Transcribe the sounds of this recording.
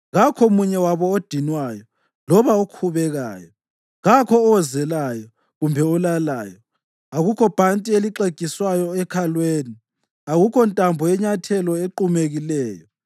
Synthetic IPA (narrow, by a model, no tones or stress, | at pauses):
ɣakʰɔmuɲɛwaβɔod̥ʱinwaːjɔ | lɔβaokʰuβɛɣa̰ːjɔ | ɣakʰɔːwɛzɛlajɔ | ɣumbʱɛɔlala̰ːjɔ | aɣukʰɔb̥ʱantʼieliǃeɡ̥ʱʼiswajɔɛkʰalweːni | aɣukʰɔntʼambʱɔjɛɲatʰɛlɔeǃumeɣilɛːjɔ